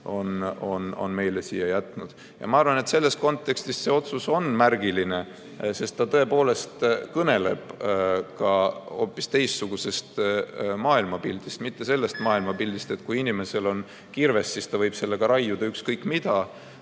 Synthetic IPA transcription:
o̞no̞no̞̰nme̞jle̞siːjːɑjæt̪ːˑnud̪̥ | jɑ̰mɑɑrvɑne̞t̪se̞lːe̞st̪̚ko̞nt̪ˑːe̞kst̪isse̞o̞t̪suso̞nmærɡ̥iline̞ | se̞st̪t̪ɑt̪ɤ̞e̞po̞ːle̞st̪kɤne̞le̞b̥kɑo̞̰ːpːˑist̪e̞jssuɡ̥use̞st̪mɑːilmɑpild̪̥ist̪mit̪ːe̞se̞lːe̞st̪mɑːilmɑpild̪ist̪e̞t̪̚kujinime̞se̞lo̞n | kirve̞sːiːst̪ɑvɤjb̥se̞lːe̞ɡ̥ɑɾɑjːud̪̥ɑykskɤjkːˑmid̪̥ɑ

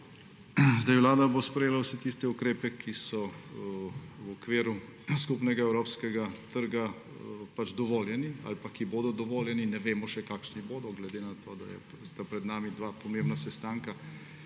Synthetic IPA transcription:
zd̪ajwlaːd̪abospɾɛjeːlawsɛt̪ist̪ɛukɾeːpɛkʰisɔ | wɔkʋeːɾu | skupnɛɡaɛwɾoːpskɛɡat̪əɾɡa | pad͡ʒd̪ɔʋɔːljɛnia̰lpakiboːd̪ɔd̪ɔʋoːljɛninɛʋeːmɔʃɛkaːkʃniboːd̪ɔɡlɛd̪eːnat̪oːd̪a̰jɛ̰ | st̪apɾɛd̪naːmid̪ʋaːpɔmeːmnasɛst̪aːŋka

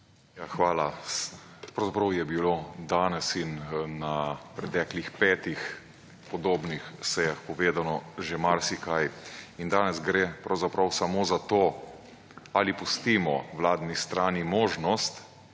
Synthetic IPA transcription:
jaxʋaːla | pɾɐwzapɾɐwjɛbilod̪aːnɛsinnapɾɛt̪ɛːklixpɛːt̪ix | pɔd̪oːbnixsɛjaxpɔʋeːd̪anɔʒemaɾsikajind̪aːnɛzɡɾepɾawzapɾawsamoːzat̪oː | alipust̪iːmɔʋlaːd̪nist̪ɾaːnimoːʒnɔst̪

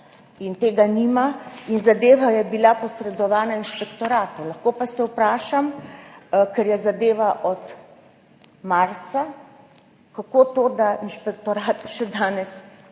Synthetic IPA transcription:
int̪eːɡanimainzad̪eːʋajɛbilapɔsɾɛd̪ɔʋaːnainʃpɛkt̪ɔɾaːt̪olaxkoːpasɛwpɾaːʃam | kɛɾjɛzad̪eːʋaʔɔt̪ | maɾt̪sa | kakoːt̪oːd̪ainʃpɛkt̪ɔɾaːt̪ʃɛd̪aːnɛs

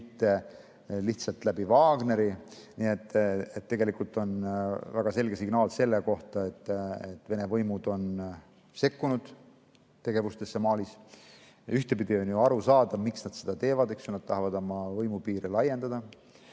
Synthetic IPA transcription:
t̪ːe̞ | liht̪sɑlt̪læbivɑːɡne̞ɾiniet̪ːˑet̪ːe̞ɡe̞likult̪ˑo̞nvæɡ̥ɑse̞lɡ̥esiɡ̥nɑːlse̞lːeko̞ht̪ɑe̞t̪ːˑet̪ːˑve̞ne̞vɤjmud̪̥o̞n | se̞kːunud̪̥ | t̪ːe̞ɡ̥e̞vust̪e̞sːemɑːlis | yht̪e̞pid̪̥ionjuɑɾusɑːd̪ɑmiksnɑd̪̥sed̪̥ɑt̪e̞ːvɑd̪eksonɑd̪̥̚t̪ɑhɑvɑd̪o̞mɑvɤjmupiːɾilɑje̞nd̪ɑd̪ɑ

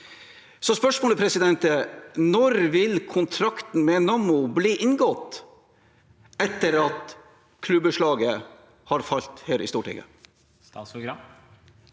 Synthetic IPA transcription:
sɔspœʂmoːləpʰɾɛsɪd̪ɛnt̪ənɔɾʋɪlkʰʊnt̪ʰɾɑkt̪n̩mɛnɑmʊbliːʔɪnɡɔt̪ː | ɛt̪ːəɾɑt̪ | kʰlʉbəʂɭɑːɡə | hɑɾfɑlt̪heːɾʔɪ̰st̪uːʈɪ̰ɡə̰ | ɑːsʊɡɾɑm

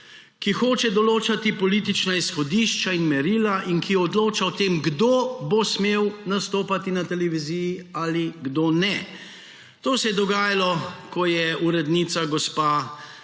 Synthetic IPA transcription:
kixoːt͡ʃɛd̪ɔloːt͡ʃat̪ipɔliːt̪it͡ʃnaisxɔd̪iːʃt͡ʃainmɛɾiːlaʔinkiɔd̪loːt͡ʃaɔt̪eːmɡd̪oːbosmewnast̪oːpat̪inat̪ɛlɛʋiziːjialiɡd̪oːnɛ | t̪oːsɛjɛd̪ɔɡaːjalɔkɔjɛuɾɛd̪nit̪saɡɔspa

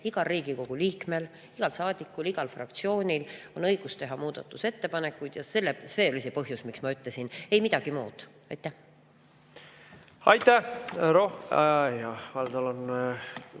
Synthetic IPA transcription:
iɡ̥ɑriːɡiko̞ɡ̥uliːkme̞l | iɡ̥ɑlsɑːd̪̥ikːˑuliɡ̥ɑlfrɑ̰kt̪sio̞ːnʲilo̞nɤ̞jɡ̥ust̪e̞ɦɑmuːd̪̥ɑ̰t̪ːˑuse̞t̪ːe̞pɑne̞kːˑujd̪jɑse̞lːese̞ːolisepɤɦjusmiksmɑyt̪ːˑle̞sine̞jmid̪ɑɡ̥imuːd̪̥ | ɑjt̪ˑːæh | ɑjt̪ːˑæɾohjɑvɑld̪̥ɑlon

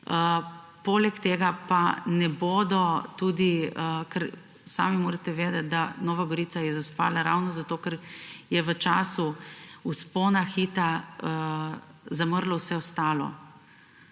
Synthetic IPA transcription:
ə | poːlɛkt̪eːɡapanɛboːd̪ɔt̪uːd̪iəkɛɾ | sa̰ːmimoːɾat̪ɛʋeːd̪ɛt̪̚d̪anɔːʋaɡɔɾiːt̪sajɛzaspa̰ːlaɾa̰wnɔzat̪oːkɛɾjɛʋət͡ʃaːsuuspoːnaxit̪aə | zaməɾlawsɛɔst̪aːlɔ̰

